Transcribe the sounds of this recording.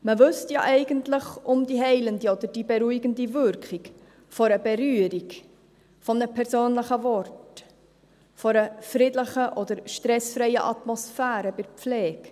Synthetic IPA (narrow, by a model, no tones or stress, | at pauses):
məvɵstjɑ̰ʔɛɪɡəntləχʊmd̥iɦɛɪləndiɔd̪əd̥ibɛɾuiɡəndivʏɾkik | fɔɾəbɛɾyːəɾik | fɔmnəpʰɛɾsoːnləχəvɔrt | fɔɾəfɾɪdləχəʔɔd̪əɾʃtɾɛsfɾɛɪə̰ʔɑt̪mɔsfæːɾəbɪɾp͡flɛːk